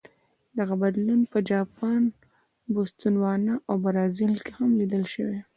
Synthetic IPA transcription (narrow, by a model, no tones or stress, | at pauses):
d̪aɣabad̪lunpəd͡ʒɑpɑn | bʊst̪unwɑnaʔawbaɾɑzɪlkehamlid̪əlʃəwe